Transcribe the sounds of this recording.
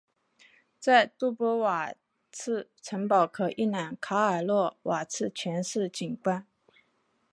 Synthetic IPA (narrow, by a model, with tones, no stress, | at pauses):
t͡sa˥˧ɪt̪u˥˩pwɔ˧˥wa˨˩ | t͡sʰɹ̩˥˩ | ʈ͡ʂʰə˧˥ŋpɑ˨˩ʊkʰɤ˨˩ʔi˥˩na˨˩nkʰa˧˥ə˞˨˩lwɔ˥˩wa˨˩t͡sʰɹ̩˥˩t͡ɕʰɥɛ˧˥nʂɻ̩˥˩t͡ɕi˨˩nkwa˥n